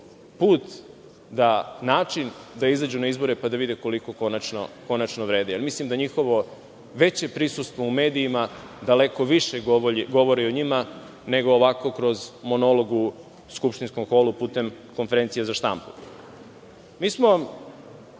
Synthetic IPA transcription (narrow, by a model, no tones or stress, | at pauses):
puːt̪ | d̪anaːt͡ʂind̪aizad͡ʑunaizbo̞ɾepad̪aʋid̪iko̞liko̞konat͡ʃno̰ko̞nat͡ʃnoʋɾe̞ːd̪ejalmislimd̪aɲixo̞ʋo̞ | ʋe̞t͡ɕe̞pɾisust̪ʋoume̞ːd̪iːma | d̪aleko̞ʋiʃeɡo̞ʋoɾioɲima | ne̞ɡo̞ːʋako̞kɾo̞zmo̞nolo̞ɡu | skupʃt̪insko̞mxoːlupuːt̪e̞m | ko̞nfe̞ɾe̞nsijezaʃt̪a̰mpu̥ | miːsmo